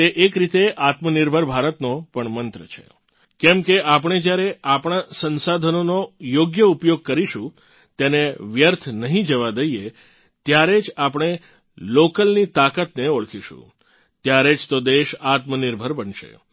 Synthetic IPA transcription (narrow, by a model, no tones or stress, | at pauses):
t̪eʔekɾit̪eʔat̪məniɾbʱəɾbʱaɾət̪nopəɳmənt̪ɾət͡ʃʰḛ | kɛmkeʔap̬ɳ̃ed͡ʒjaɾeapɳ̃asənsad̪ʱənonojoɡjəupjoɡ̚kəɾiʃũ | t̪eneʋjəɾt̪ʰnəɦĩd͡ʒəʋad̪əie | t̪jaɾed͡ʒapɳ̃e | lokəlnit̪akat̪neoɭkʰiʃṵ̃ | t̪jaɾed͡ʒt̪od̪eʃat̪məniɾbʱəɾbənʃḛ